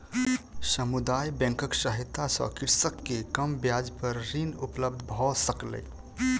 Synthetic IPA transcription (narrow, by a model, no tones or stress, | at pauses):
səmud̪aːjbɛ̃ŋkəksəɦit̪ːasɔ̰kiɾsəkːekəmbjad͡ʒpəɾɾinupləbd̪ʱbʱɔsəklḛ